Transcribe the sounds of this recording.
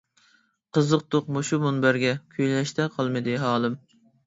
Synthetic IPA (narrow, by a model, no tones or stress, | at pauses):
qəzəq̚t̪oq̚moʃumunbæɾɡʲɛkʲʰyjllɛʃt̪ʰɛqʰɑlˠmɨd̪ɨɦɑːlˠɨm